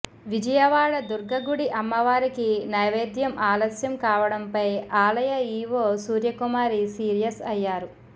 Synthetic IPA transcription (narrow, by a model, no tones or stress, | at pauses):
ʋid͡ʒɐjɐʋaːɭɐd̪uɾɡɐɡuɽiʔɐmːɐʋaːɾikinɐːʋeːd̪jɐmʔaːlɐsjɐmkaːʋɐɽɐmpɐjaːlɐjɐiːʋoːsuːɾjɐkumaːɾisiːɾijɐsɐjːaːɾu